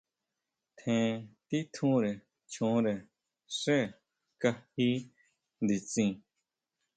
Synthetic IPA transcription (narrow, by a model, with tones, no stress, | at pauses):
t̪ʰẽ˧t̪i˦t̪ʰũ˦ɾe˨ | t͡ʃʰũ˨˦ɾe˨ | ʂe˦˨ | ka˧hi˦ | nd̪i˨t͡sĩ˧